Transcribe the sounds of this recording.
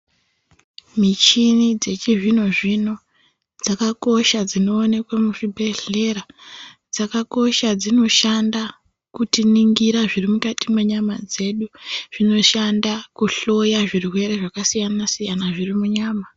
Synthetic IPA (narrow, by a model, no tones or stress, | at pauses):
mit͡ʃinid͡ze̞t͡ʃiʐino̞ʐino̞ | d͡zakako̞ʃad͡zino̞ːne̞kwamuʐibʱe̞ɮe̞ɾa | d͡zakako̞ʃad͡zino̞ʃanda | kutiniŋɡiɾaʐirimukatimwe̞ɲamad͡ze̞ɗuʐ̥ino̞ʃandakuɬo̞jaʐirwe̞ɾe̞ʐakasijanasijanaʐirimuɲaːma